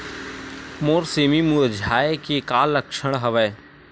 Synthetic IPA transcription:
moːɾseːmimũːəd͡ʒʱaːekekaːlːɐkʃəɽ̃ɦɐʋɛː

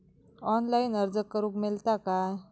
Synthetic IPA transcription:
ɔnlajinəɾd͡zəkːəɾũːkmelt̪aka

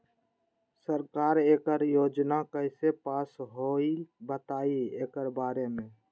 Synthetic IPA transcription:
səɾkaːɾeːkəɾjoːd͡ʒnakəɪsepaːsɦoːibət̪aːieːkəɾbaːɾemẽː

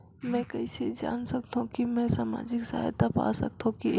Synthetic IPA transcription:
mɛ̃kɐised͡ʒa̰ːnsəkt̪õkimɛ̃saːma̰ːd͡ʒɪksa̰ːjt̪apa̰ːsək̚t̪ʰõki

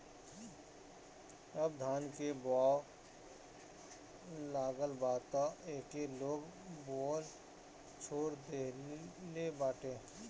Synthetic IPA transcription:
əbd̪ʱaːnkebaːw | laːɡəlbaːt̪aʔeːkeloːɡboːl | t͡ʃʰoːɾd̪eːlebaːʈẽː

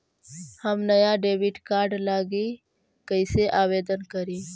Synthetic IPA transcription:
həmnəjaɖeːwɪʈkaːɾɖlaːɡi | kəɪseʔaːweːd̪ənkəɾiː

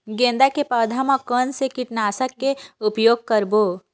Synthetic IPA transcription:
ɡẽːnd̪akepəːd̪ʱamakənsekɪʈnaːsəkːeʊpjoːɡ̚kəɾboː

